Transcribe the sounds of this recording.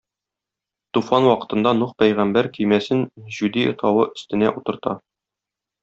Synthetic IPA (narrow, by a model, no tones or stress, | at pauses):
t̪ufɑnwɒqɤ̥̆t̪ɤ̆nd̪ɑnuq̚pæjʁæmbæɾkɵjmæsɘnʑʉd̪iŏ̰t̪ʰɑwɤʔɵ̆st̪ɘ̆næʔut̪ɤ̆ɾt̪ɑ̰